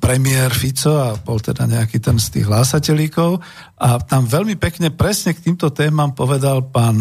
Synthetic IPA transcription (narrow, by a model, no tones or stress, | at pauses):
pɾɛmɪɛɾfit͡sɔabɔlt̪ɛd̪a̰ɲɛakit̪ɛnst̪ḭːɣɦlasacɛlikɔʊ | at̪amʋɛlmipɛkɲɛpɾɛsɲɛk̚t̪iːmt̪ɔt̪ɛːmampɔʋɛd̪alpaːn